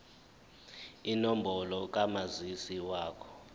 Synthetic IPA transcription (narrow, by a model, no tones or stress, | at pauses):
inombʱɔlɔk̬amazisiwaːkʰɔ̥